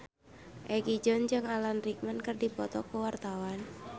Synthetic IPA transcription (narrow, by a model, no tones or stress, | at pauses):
ʔɛɡid͡ʒɔnd͡ʒɨŋalanrik̚mankərdipɔt̪ɔkuwart̪awan